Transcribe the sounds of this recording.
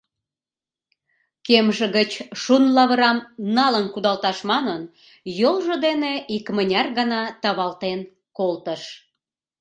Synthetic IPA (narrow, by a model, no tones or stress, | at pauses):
kemʒə̆ɣət͡ɕʃunlɑβəɾɑmnɑlənkud̪ɑlt̪ɑʃmɑnən | jolʒə̆d̪eneikmənʲɑrɣənɑt̪ɑβɑlt̪en | kolt̪əʃ